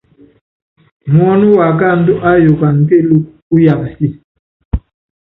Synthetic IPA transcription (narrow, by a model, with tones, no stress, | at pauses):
mɔ˦nu˦wa˨ka˦˨n˦do˦ʔa˦jo˨ka˨ŋ̩˨ke˦lu˦ | u˦ja˨ksi˦